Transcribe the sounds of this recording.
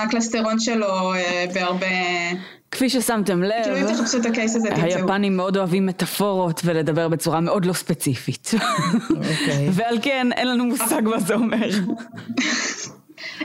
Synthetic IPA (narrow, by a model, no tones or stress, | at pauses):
aklast̪eʁonʃeloebeaʁbe | kfiʃesamte̞mlekiluɛmvteχapsuet̪akesazehajapanimːeo̞do̞avimːe̞tafo̞ʁo̞tvele̞dɐbe̞ʁbe̞t͡suʁameʔo̞dlo̞spet͡sifit | ovealkenʔenlanumusaɡmazeo̞meʁ